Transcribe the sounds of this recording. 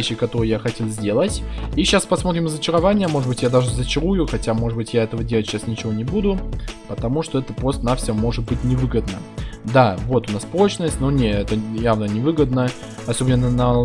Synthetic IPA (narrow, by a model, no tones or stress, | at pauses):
eɕːɪkɐt̪o̞ɾɨjjaxɐtʲelˠzʲdʲelˠətʲiɕaspɐsmo̞t̪ɾʲɪmɪzət͡ɕɪɾɐvanʲɪjəmo̞ʐɨd̪bɨtʲjad̪aʐɨzət͡ɕɪɾujʊxɐtʲamo̞ʐɨd̪̚bɨtʲjaɛt̪əvədʲe̞lətʲɕːasnʲɪt͡ɕɪvonʲɪbud̪ʊpət̪ɐmuʂt̪o̞ɛt̪əpɾo̞st̪ənafsʲɪomo̞ʐɨt̪̚bɨtʲnʲɪvɨɡəd̪nəd̪avo̞t̪ʊnaspɾo̞t͡ɕnəsʲtʲnonʲeɛt̪əjavnənʲɪvɨɡəd̪nə | ɐso̞bʲɪnnːənə